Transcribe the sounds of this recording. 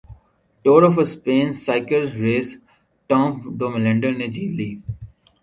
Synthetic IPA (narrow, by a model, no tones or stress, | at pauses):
ʈoːɾɔfəspẽːnsaɪkəlɾeːs | ʈɔ̃ːmpɖoːmlɛ̃ɳɖə̃ned͡ʒiːliː